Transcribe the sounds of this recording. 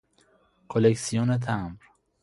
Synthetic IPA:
kʰoleksijonet̪ʰæmɾ

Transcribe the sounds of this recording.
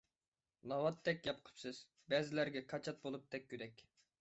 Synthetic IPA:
nˠɑwɑt̪ʰːɛkʲjɑp̚qʰə̥psɨz̥ | bɛzɪlæɾɡʲɛkʰɑt͡ʃʰɑt̪̚bolˠup̚t̪ʰɛk̚ʲkʲːyd̪ɛkʲ

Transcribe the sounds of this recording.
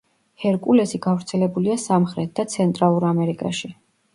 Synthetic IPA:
hɛɾkʼulɛsiɡavɾt̪sʰɛlɛbuliasamχɾɛt̪̚ʰd̪at̪sʰɛnt̪ʼɾalˠuɾamɛɾikʼa̰ʃi

